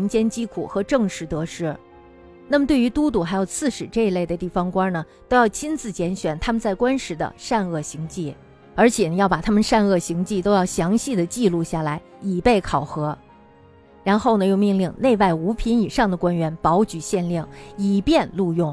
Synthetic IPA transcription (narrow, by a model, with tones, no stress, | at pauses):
nt͡ɕjɛ˥nt͡ɕi˥kʰu˨˩xɤ˧˥ʈ͡ʂɤ˥˧ŋʂɻ̩˧˩t̪ɤ˧˥ʂɻ̩˥˩ | na˥˩mət̪we˥˩ɪy˧˥t̪u˥t̪u˨˩xa˧˥ɪjo˨˩ʊt͡sʰɹ̩˥˩ʂɻ̩˨˩ʈ͡ʂɤ˥˧i˧˥le˥˩ɪd̪ə˩t̪i˥˩fɑ˧˥ŋkwa˥nə˨t̪o˥ʊjɑ˥˩ʊt͡ɕʰi˥nt͡sɹ̩˥˩t͡ɕjɛ˧˥nɕɥɛ˨˩nt̪ʰa˥mə˨nt͡sa˥˩ɪkwa˥nʂɻ̩˧˥d̪ə̰˧ʂa˥˧nɤ˥˩ɕi˧˥ŋt͡ɕi˥˩ | ə˞˧˥t͡ɕʰjɛ˨˩nə˧˦jɑ˥˩ʊpa˨˩t̪ʰa˥mə˨nʂa˥˧nɤ˥˩ɕi˧˥ŋt͡ɕi˥˩t̪o˥ʊjɑ˥˩ʊɕjɑ˧˥ŋɕi˥˩d̪ə˩t͡ɕi˥˧lu˥˧ɕja˥˩la˧˥ɪi˨˩pe˥˩ɪkʰɑ˨˩ʊxɤ˧˥ | ɻa˧˥nxo˥˩ʊnə˩jo˥˧ʊmi˥˧ŋli˥˧ŋne˥˧ɪwa˥˩ɪu˧˥pʰi˧˥ni˨˩ʂɑ˥˩ŋd̪ə˩kwa˥nɥɛ˧˥npɑ˧˥ʊt͡ɕy˨˩ɕjɛ˥˧nli˥˩ŋi˨˩pjɛ˥˧nlu˥˧jʊ˥˩ŋ